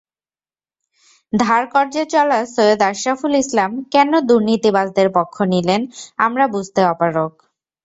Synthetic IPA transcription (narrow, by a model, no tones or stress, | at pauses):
d̪ʱaɾkɔɾd͡ʑet͡ɕɔlasojod̪aʃafulislamkɛnod̪uɾnit̪ibad͡ʑd̪eɾpokʰːonilenamɾabud͡ʑʱt̪eɔpaɾok